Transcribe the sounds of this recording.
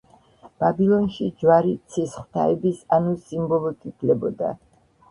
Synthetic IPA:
b̥abilˠɔnʃid͡ʒwaɾit̪sʰisχwt̪ʰa̰ɛbisanusimbɔlˠɔkʼit̪ʰlɛbɔd̪a̰

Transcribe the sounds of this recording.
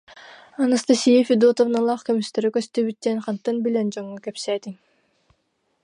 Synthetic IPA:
ɑnɯst̪asijefid̪ut̪ovnɯlˠɑːχkømyst̪øɾykøst̪ybit̪ːɛnχɑnt̪ːɯnbilʲɛnd͡ʒoŋːykɛpsɛt̪iŋ

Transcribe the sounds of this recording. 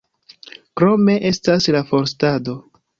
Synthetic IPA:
kɾo̞me̞ʔe̞staslafo̞ɾstado̞

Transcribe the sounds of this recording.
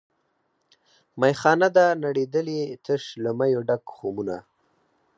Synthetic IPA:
majxɑnad̪anaɽed̪əlit̪ʰəʂləmajoɖakxomuna̰

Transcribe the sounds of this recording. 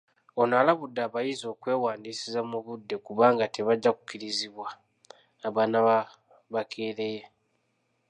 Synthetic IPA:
onalaβudːaːβajizo̞ːkwe̞ːwaːndiːsizamuβudːe̞kuβaːŋɡate̞βaɟːaku̥kːiɾiziβwaː | βaːnaβa | βakʰeːɾe̞je

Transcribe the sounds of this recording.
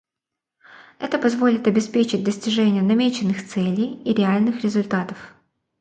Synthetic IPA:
ɛt̪əpɐzvo̞lʲɪt̪ɐbʲɪspʲet͡ɕɪt̚ʲd̪əsʲtʲɪʐɛnʲɪjənɐmʲet͡ɕɪnːɨxt̪sɛlʲɪjiɾʲɪalʲnɨxɾʲɪzʊlʲt̪at̪əf

